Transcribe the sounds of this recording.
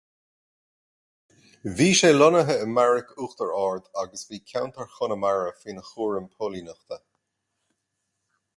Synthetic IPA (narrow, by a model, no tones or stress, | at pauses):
viːʃeːlɔnəɦəəmaɹɪkuːxt̪əɹɑːɹd̪aɡəsviːkʰawnt̪əɹxʊnəmaɹəfiːnəxuːɹəmpʰoːlinəxt̪ə